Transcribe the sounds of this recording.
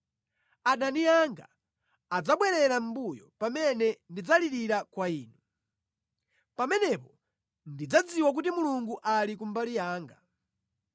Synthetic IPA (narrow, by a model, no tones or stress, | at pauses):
aɗaniaŋɡa̰ː | d͡zaɓwɛɾɛɾam̩bujɔ̰pamɛnɛndid͡zaliɾiɾakwaiːnu | pamɛnɛpɔ | ndid͡zad͡ziwak̬utimuluŋɡuʔalikumbalijaːŋɡa